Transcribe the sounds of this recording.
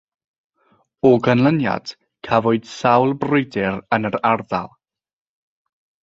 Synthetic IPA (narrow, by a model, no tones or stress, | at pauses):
ɔɡənlˠənja̰d̥ | kʰavɔɨd̥sawlˠbrʊjdɪɾənəɾarða̰lˠ